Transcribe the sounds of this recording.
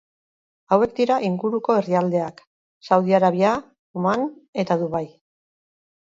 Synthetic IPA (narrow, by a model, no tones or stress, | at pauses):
awe̞k̚d̪iɾaʔiŋɡuɾuko̞e̞riald̪e̞ak | sawð̞iaɾaβia | umane̞t̪aðuβaj